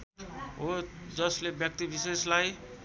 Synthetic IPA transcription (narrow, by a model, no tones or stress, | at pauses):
od͡zʌslebjʌk̚t̪ibʱiseslaj